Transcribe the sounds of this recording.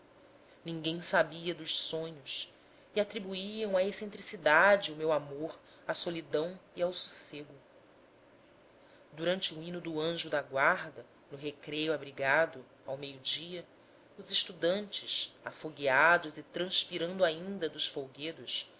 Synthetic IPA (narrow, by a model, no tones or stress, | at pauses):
nĩŋɡẽj̃sabiɐd̪ʊʃsõɲʊs | iat̪ɾibuiɐ̃w̃aesẽnt̪ɾisid̪ad͡ʒɪʊmewamoɾ | asolid̪ɐ̃w̃iawsu̥seɡʊ | d̪uɾɐ̃nt͡ʃɪuĩnʊd̪ʊɐ̃ʒʊd̪aɡwaɾd̪ɐ | nʊɦekɾejuabɾiɡad̪ʊ | awmejʊd͡ʒiɐ | ʊzɪʃt̪ud̪ɐ̃nt͡ʃɪʃafoɡiad̪ʊzɪt̪ɾɐ̃ʃpiɾɐ̃nd̪ʊaĩĩnd̪ɐd̪ʊʃfowɡed̪ʊs